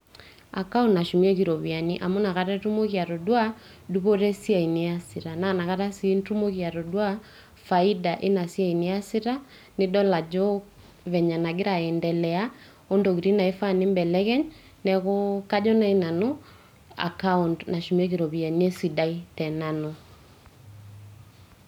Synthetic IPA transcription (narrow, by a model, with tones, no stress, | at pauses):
a̰˨ka˦u˦nna˨ʃu˨mi˦ɛ˦ki˨ɾɔ˨βi˨a˨ni˦ʔa˨mo˦na˨ɣa˦ɾɛ˦tu˦mo˦ɣa˨ɾo˨dwa˦ | du˦βo˦ɾɛ˦sja˨i˨ni˦a˦si˨ɾa˨na˨na˨ɣa˦ɾa˦sintu˦mo˦ɣia˨ɾo˨dwa˦ | fai˦da˨ʔe˦na˨sja˦i˨ni˦a˦si˦ɾa˦ | nɪ˦dɔ˦la˨d͡ʒɔ | βɛ˨ɲa˨na˨ɡɪ˦ɾa˨ɛ˨ndɛ˨lɛ˨a˦ | o˦ndo˨ɣi˨ɾi˦na˨e˦fa˦˨nɪ˦mbɛ˨lɛ˦ɣɛ˦ɲ | nɛ˨ɣɔka˦d͡ʒɔ˦na˦i˦na˨no˦ | a̰˨ka˦u˨ndna˨ʃu˨mɛ˦ɣi˨ɾɔ˨βi˨a˨nie˦si˨da˦i˦tɛ˨na˨no